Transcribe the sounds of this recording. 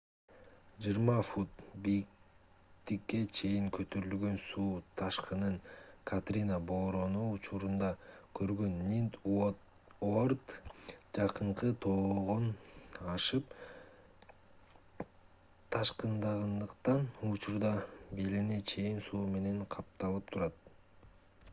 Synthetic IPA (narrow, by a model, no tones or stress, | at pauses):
d͡ʒɯjɾmɑfut̪̚bijik | t̪ikːe̞t͡ʃʰe̞jiŋkøt̪ʰøɾylɡø̞nsuːt̪ʰɑʃqɯnɯɴkʰat̪rʲinabo̞ːɾo̞nuːt͡ʃuɾund̪ɑkʰø̞ɾɡø̞nːʲint̪ | ord̪d͡ʒɑqɯɴqɯt̪ʰo̞ːʁonɑʃɯp | t̪ʰɑʃqɯnd̪ɑʁɯnd̪ɯqt̪ɑnut͡ʃuɾd̪ɑbelene̞t͡ʃʰe̞jinsuːme̞ne̞ɴqʰɑp̚t̪ɑlˠɯp̚t̪ʰuɾɑt̪̚